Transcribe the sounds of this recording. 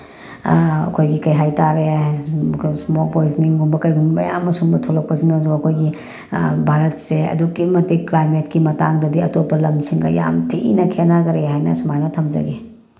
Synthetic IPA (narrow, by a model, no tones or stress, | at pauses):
ɐ̰kʰojɡikɐjɦajtaɾe | smolpojzniŋɡumbɐkɐjɡumbɐja̰mːɐsuŋbɐtʰolɐk̚pɐsinɐzoɐkʰojɡi | bʱaɾɐtseɐ̰dukːimɐtiklajmetkimɐtaŋdɐdiɐtopːɐlɐmsʰiŋɡɐ̰ja̰mtʰiinɐkʰenaɡɐɾeɦajnɐsumajnɐtʰɐmzɐ̰ɡe